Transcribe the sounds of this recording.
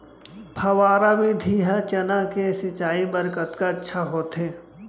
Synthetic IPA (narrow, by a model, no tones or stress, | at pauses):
pʰɐʋaːɾabid̪ʱiːɦat͡ʃɐnakesɪt͡ʃaːibəɾkət̪kaɐtːʃʰaɦoːt̪ɦeː